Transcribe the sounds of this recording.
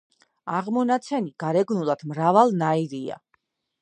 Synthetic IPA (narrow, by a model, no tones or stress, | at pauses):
aʁmɔnat̪sʰɛniɡ̥aɾɛɡnulˠad̪̥mɾavalˠnaiɾia̰